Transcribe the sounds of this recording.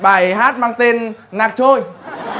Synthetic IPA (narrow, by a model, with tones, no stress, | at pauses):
ɓa̰ː˧˩jɦaː˦˥t̚maː˧ŋt̪e˧nnaː˨˩k̚t͡ɕo˧j